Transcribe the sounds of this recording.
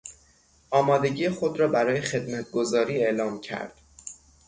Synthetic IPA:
ʔɒːmɒːd̪e̞ɟiːjexo̞d̪ɾɒːbæɾɒːjexe̞d̪mæt̪ʰɡo̞zɒːɾiːe̞ʔlɒːmcʰæ̰ɾd̪̥

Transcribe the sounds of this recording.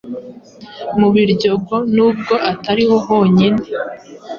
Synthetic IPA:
muβiɾɟo̞ɡo̞nuːb̚ɡo̞ʔataɾihoɦo̞ːɲine

